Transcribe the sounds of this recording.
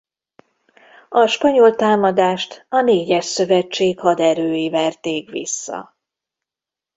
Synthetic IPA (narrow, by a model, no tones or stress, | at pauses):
ɒʃpɒɲolt̪aːmɒd̪aːʃt̪ɒneːɟɛʃsø̞vɛt͡ʃːeːkhɒd̪ɛɾøːjivɛrt̪eːkʋḭsːɒ̰